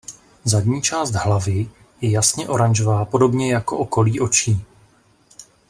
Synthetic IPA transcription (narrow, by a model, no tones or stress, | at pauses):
zadɲiːt͡ʃaːst̪ɦlavɪ | jɛjasɲɛʔo̞ɾanʒovaːpo̞do̞bɲɛjako̞ʔoko̞liːʔo̞t͡ʃiː